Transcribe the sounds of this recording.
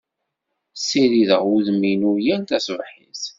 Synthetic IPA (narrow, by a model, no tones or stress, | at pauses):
sːiɾiðəʁuðminʊɾjænt̪æsvħiθ